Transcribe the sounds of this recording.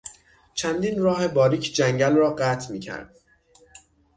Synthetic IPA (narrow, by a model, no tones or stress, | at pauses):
t͡ʃʰænd̪iːnrɒːɦe̞bɒːɾiːcʰd͡ʒæŋɟælrɒːɢæːt̪ʰmiːcʰæ̰ɾd̪̥̚